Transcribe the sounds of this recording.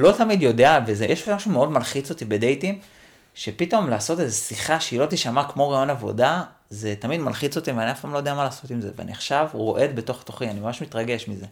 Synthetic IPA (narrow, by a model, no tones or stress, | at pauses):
lo̞tamidjo̞deavezejeʃmaʃumeo̞dmalχit͡so̞t̪ibedejtim | ʃepito̞mlaːso̞tezesiχaʃeilo̞tiʃamakmo̞ʁajo̞navo̰da | ze̞tamidmalχit͡so̞t̪iveaniafpamloj̞deamalaːso̞timze̞vea̰nḭaχʃavʁo̞̰ʔe̞d̪be̞to̞χt̪oχianimamaʃmitʁaɡe̞ʃmize̞